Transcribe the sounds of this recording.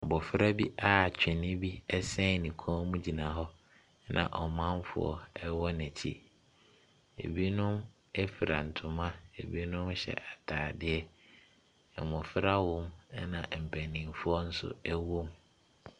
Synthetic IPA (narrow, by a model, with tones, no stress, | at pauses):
a˨bɔ˨fɪ˦ɾa˦bi˦ʔa˦˨t͡ɕᶣɛ˨nĩ˦bi˦ɛ˦sɛ̃˦˨nĩ˨kʰɔ̃˦mũ˦d͡ʑi˨nã˨ɦɔ˦ | nʔã̰˨ʔɔ˨mã˦mfʊ̰˦ɔ̰˦ɛ˦wɔ˦næ̃˨t͡ɕʰi˦ | ḛ˨bi˦nʊ̃˦m | ɛ˦fi˨ɾa̰˨n̩˨tʰʊ̃˨mã˦e˨bi˦nʊ̃˦m˦ɕɛ̰˨ʔa˨tʰaː˨dɪ˦ɛ˦˨ | mɔ̃˨fɪ˦ɾa˦wɔ̃˦m˦nã̰˨m̩˨pʰæ˨nĩ˨mfʊ˦ɔ˦n̩˦sʊ̰˦ɛ˦wo˦m